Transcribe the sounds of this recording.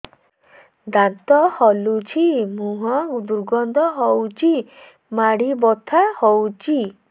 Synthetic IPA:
d̪ant̪ɔhɔlut͡ʃʰimũɦɔd̪uɾɡɔnd̪ʱɔɦɔwt͡ʃʰi | maɽibɔt̪ʰahɔwt͡ʃʰi

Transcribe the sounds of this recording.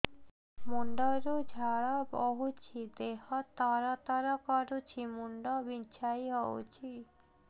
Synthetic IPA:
muɳɖɔɾod͡ʒʱaɾabɔɦut͡ɕʰid̪eɦɔt̪aɾat̪aɾakaɾut͡ʃʰimuɳɖɔbint͡ʃʰajɦɔo̰t͡ʃʰi

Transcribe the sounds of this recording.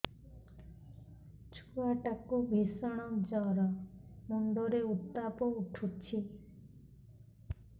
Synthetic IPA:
t͡ʃʰuaʈakubʱisɔɽ̃ɔd͡ʒɔɾɔmɔɳɖ̪ɔɾeut̪ːapɔuʈʰut͡ʃʰi

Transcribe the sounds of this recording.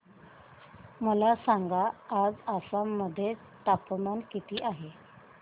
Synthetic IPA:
məlasaŋɡaːd͡zasamːəd̪ʱːje | t̪apmankit̪iːʔaɦe

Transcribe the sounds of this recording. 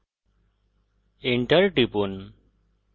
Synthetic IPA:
iɳʈəɾʈipun

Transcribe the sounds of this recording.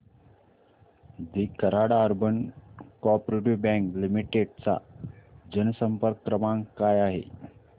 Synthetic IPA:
d̪ikəɾaɽaːɾbənkɔpɾeʈiʋbɛ̃ŋklimiʈeɖt͡sa̰d͡ʑənəsəmpəɾkːɾəmãŋkajaɦḛ

